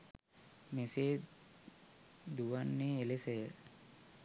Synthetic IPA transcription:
meseː | d̪uʋanːeːlesəjə

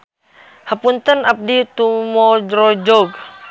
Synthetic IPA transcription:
hapunt̪ənap̚dit̪umɔd͡ʒɾɔd͡ʒɔɡ

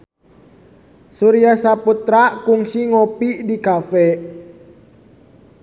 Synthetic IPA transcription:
suɾiasaput̪ɾakuŋsiŋɔpiʔdikafɛ

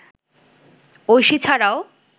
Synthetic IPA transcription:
ojʃit͡ɕʰaɾao

